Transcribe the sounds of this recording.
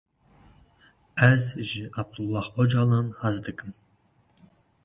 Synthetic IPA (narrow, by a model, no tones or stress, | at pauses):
æzʒiʔɑb̚d̪ulˠːɑhɔd͡ʒɑlɑnhɑzd̪ɨkʼɨm